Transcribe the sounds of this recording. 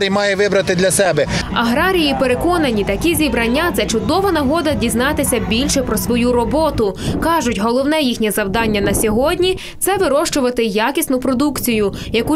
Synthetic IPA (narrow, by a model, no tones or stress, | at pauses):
ɾʲijmɑjɛʋɪbɾɐt̪ɪd̪lʲɐsɛbɛɐɦɾɑɾʲijipeɾekɔnɐnʲit̪ɐkʲizʲibɾɐnʲːat̪sɛt͡ʃʊd̪ɔʋɐnɐɦɔd̪ɐdʲiznɑt̪ɪsʲɐbʲilʲʃɛpɾɔsʋɔjuɾɔbɔt̪ʊkɑʒʊtʲɦɔlˠɔwnɛjixnʲɛzɐwd̪ɑnʲːɐnɐsʲɔɦɔdʲnʲi | t̪sɛʋɪɾɔʃt͡ʃʊʋɐt̪ɪjɑkʲisʲnʊpɾɔd̪ukt͡sʲijʊjɐku